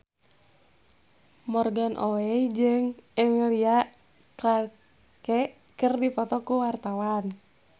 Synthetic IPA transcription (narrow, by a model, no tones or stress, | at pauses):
mɔrɡanʔowɛd͡ʒɨŋəŋliaʔ | kla | kɛʔ | kɨrdipɔt̪ɔkuwart̪awan